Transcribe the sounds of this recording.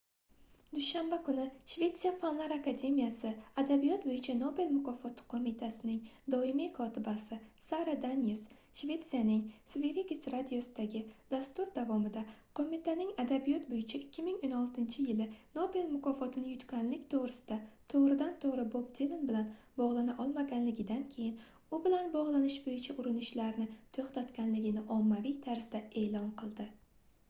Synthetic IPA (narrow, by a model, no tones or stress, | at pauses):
d̪̥ʊʃambakʊnɪʃve̞t̪sijafanlˠaɾakad̪ʲe̞mijasɪad̪abijɒt̪bojɪt͡ʃʰanobelmʊkʰɒfɒt̪ʰɪ̥qʰomɪt̪ʰasɪnɪŋd̪ɒɪmikʰɒt̪ʰɪbasɪsaɾad̪anjɪs | ʃve̞t̪sijanɪŋsveɾiɡʲɪsɾad̪ijosɪd̪aɡʲɪd̪̥ast̪ʊɾd̪avɒmɪd̪aqʰomɪt̪ʰanɪŋad̪abijɒt̪bojɪt͡ʃʰɪɪkʲːɪmɪŋonɒlˠt̪ʰɪnt͡ʃʰɪjɪlɪnobelmʊkʰɒfɒt̪ʰɪnɪjʊt̪kʲanlɪkʲt̪ʰoʁɾɪsɪ̥d̪̥at̪ʰoʁɾɪd̪ant̪ʰoʁɾɪbob̚d̪ilɪnbɪlan | bɒʁlˠanaʔɒlˠmaɡʲanlɪɡʲɪd̪ankʲʰe̞jɪn | ʊbɪlanbɒʁlˠanɪʃbojɪt͡ʃʰaʔʊɾɪnɪʃlaɾnɪt̪ʰoχt̪at̪kʲanlɪɡʲɪnɪʔɒmːavijt̪ʰaɾsd̪ae̞ːlɒnqɨlˠd̪ɪ